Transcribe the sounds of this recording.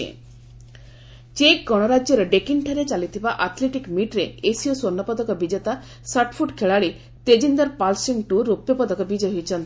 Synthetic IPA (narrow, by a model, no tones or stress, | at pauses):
ḛ | t͡ʃek̚ɡɔɽ̃ɔɾad͡ʒjɔɾeɖekiɳʈʰaɾet͡ʃalit̪ʰibaʔat̪ʰleʈikmiʈɾeːsiɔswonːɔpɔd̪ɔkɔbid͡ʒet̪a | saʈpʰuʈkʰeɭaɭi | t̪ed͡ʒind̪aɾpalsiŋʈuɾopjɔpɔd̪ɔkɔbid͡ʒeɦojt͡ʃʰɔnt̪i